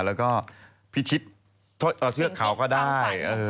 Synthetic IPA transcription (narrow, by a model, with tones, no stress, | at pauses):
lɛː˦˥wkɔː˥˩ | pʰi˦˥˩t̪ʰi˦˥t̪̚ʰː | ʔɤː˧˩t̪ʰɯ˥˩ɐkʰa˩˦wkɔː˥˩daː˥˩jʔɤː˧